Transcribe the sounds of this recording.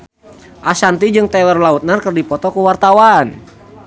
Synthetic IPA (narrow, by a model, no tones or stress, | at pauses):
ʔasant̪id͡ʒɨŋt̪ɛwɛrlaut̪̚narkərdipɔt̪ɔkuwart̪awan